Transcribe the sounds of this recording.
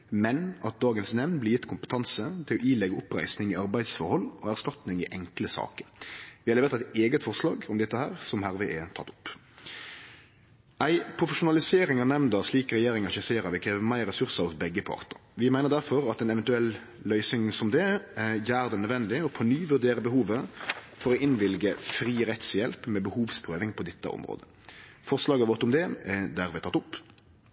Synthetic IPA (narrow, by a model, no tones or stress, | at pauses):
mɛnɑt̪̚d̪ɑːɡənsnɛʋnblɪjɪt̪ːkʰʊmpət̪ʰɑnsət̪ʰɪlɔʔiːlɛɡːəʊpɾæ̰ɪsnɪŋɪɑɾbæɪd̪sfɔɾhɔlːɔːæʁst̪ɑt̪nɪŋɪʔɛŋkləsɑ̰ːkə̥ɾʋɪhɑɾlɛʋeːɾt̪æɪt̪eːɡət̪fɔʁslɑːɡɔmd̪ɛt̪ːəhæːʁsɔmhæɾʋɪʔɛt̪ʰɑ̰t̪ːʊ̥pː | æɪpʰɾʊfəʂʊnɑlɪseːɾɪŋɑnɛmnd̪ɑt̪ʂliːkɾɛjeːɾɪŋɑʃɛseːɾɑʋɪkʰɾeːʋəmæɪɾɛsʉʁsəɔsbɛɡːəpʰɑ̰ʁt̪əɾʋɪmæɪnəʁd̪æɾfɔɾɑt̪ɛnɛʋɛnt̪ʉɛlː | lœʏsɪŋsɔmd̪ɛjæːɾd̪ɛnœd̪ʋɛnd̪ɪɔpʰɔnyːʋʉɾd̪eːɾəbəhuːʋəfɔɾɔʔɪnʋɪlɡəfɾiːɾɛt̪sjɛlpmɛbəhuːʋspʰʁøːʋɪŋpʰɔd̪ɛt̪ːə̰ʔɔ̰mɾo̰ːd̪ə | fɔʁslɑːɡəʋɔt̪ʊmd̪ɛɛd̪æɾʋɛt̪ɑt̪ːʊpː